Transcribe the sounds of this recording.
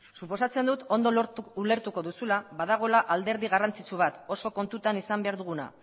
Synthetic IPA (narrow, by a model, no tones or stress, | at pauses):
supo̞sat͡se̞nd̪ut̪o̞nd̪oule̞ɾt̪uko̞ðusulaβað̞aɣ̞o̞laʔald̪e̞ɾð̞iɣarant͡sit͡suβ̞at̪o̞so̞ko̞nt̪ut̪anisambe̞aɾðuɣ̞una̰